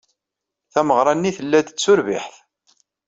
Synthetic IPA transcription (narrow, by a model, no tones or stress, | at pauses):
θæməʁɾˤɑnːiθəlːæd̪t͡sːʊɾvḭħθ